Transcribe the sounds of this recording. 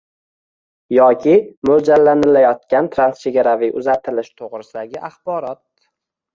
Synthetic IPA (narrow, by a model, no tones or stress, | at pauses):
jɒkʲʰɪmɵld͡ʒalːanɪlajɒt̪̚kʲant̪ʰɾanst͡ʃʰe̞ɡʲaɾaviʔʊzat̪ʰɪlɪʃt̪ʰoʁɾɪsɪd̪aɡʲɪʔaχbɒɾɒt̪̚